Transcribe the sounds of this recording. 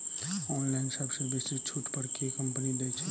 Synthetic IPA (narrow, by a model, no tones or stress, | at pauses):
ɔːnlaɪnsɐbsebesit͡ʃʰuʈpəɽkekəmpənid̪et͡ʃʰɛ